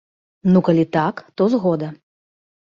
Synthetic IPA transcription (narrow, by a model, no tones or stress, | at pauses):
nukalʲit̪akt̪ɔzɣɔd̪ɐ